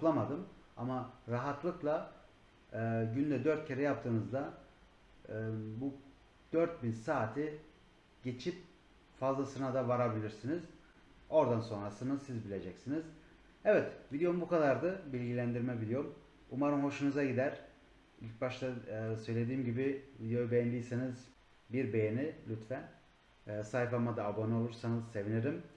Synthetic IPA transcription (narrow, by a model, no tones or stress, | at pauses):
uklˠamad̪ɯma̰maɾaɦat̪lˠɯklˠa | ɯɟynd̪ɛd̪øɾt̪̚cʰeɾɛjap̚t̪ʰɯːnɯzd̪a | bu | d̪̥øɾt̪̚binsaːt̪ʰi | ɟ̥e̞t͡ʃʰip̚ | fazlˠasɯnad̪avaɾabilʲiɾsiniz | o̞ɾd̪anso̞nɾasɯnɯzsizbilʲe̞d͡ʒɛcsiniz | ɛvɛt̪vid̪ejombukad̪aɾd̪ɯbilʲɟilʲænd̪iɾmɛvid̪ejom | umaɾɯnho̞ʃunuzaɟid̪æɾ | ilʲc̚baʃt̪asø̞jlʲe̞d̪iːmɟibivid̪ejo̞jubejnd̪ijseniz | biɾbe̞jenilʲyt̪fɛː | sajfamad̪aːbono̞lˠuɾsanɯzse̞vineɾim